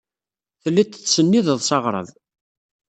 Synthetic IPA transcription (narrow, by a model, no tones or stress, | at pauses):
θəlːit̪ə̥θsənːiðəðˤsɑʁɾˤə̰ðˤ